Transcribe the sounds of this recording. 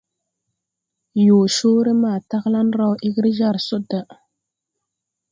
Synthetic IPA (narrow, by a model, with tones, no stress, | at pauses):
jo˨ʃo˦ɾə˦ma˨ta˦ɣla˦nɾa˦wʔi˦ɡɾi˦ʒa˦ɾso˦da˨